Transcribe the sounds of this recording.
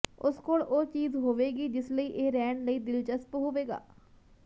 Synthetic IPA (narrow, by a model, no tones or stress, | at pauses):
ʊskoːlʔoːt͡ʃiːzɦoːʋeːɡiːd͡ʒɪsləiːʔeːɾɛːɳləiːd̪ɪlt͡ʃəspɦoːʋeːɡa̰ː